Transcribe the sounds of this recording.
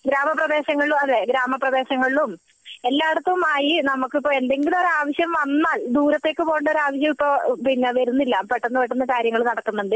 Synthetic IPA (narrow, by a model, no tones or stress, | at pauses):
ɡɾaːmɐprɐðe̞ːɕɐŋːɐɭlumɐðeɡɾaːmɐprɐðe̞ːɕɐŋːɐɭilum | e̞lːaːɐɽut̪ːɐʋumaːjinɐmukːɨipːoɭe̞nd̪e̞ŋɡiluoɾaːʋɐɕjɐmʋɐnːaːld̪uːɾɐt̪ːe̞ːkːɨpo̞ːɳɖoɾaːʋɐɕ̬jɐmipːoːpiɲːɐʋɐɾunːilːaːmpeʈːɐnːupeʈːunːɐkaːɾjɐŋːɐɭumnɐɽɐkːunːɐuɳɖɨ